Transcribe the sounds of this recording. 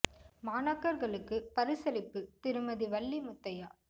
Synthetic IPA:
maːnaːkːɐɾɣɐɭɯkːɯpɐɾɯsɐlɪpːɯt̪ɪɾɯmɐðiʋɐɭːimʊt̪ːɐjaː

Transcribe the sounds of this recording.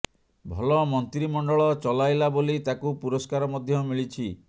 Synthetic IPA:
bʱɔlɔmɔnt̪ɾimɔɳɖɔɭɔt͡ʃɔlajlabolit̪akupuɾɔskaɾɔmɔd̪ʱjɔmiɭit͡ʃʰi

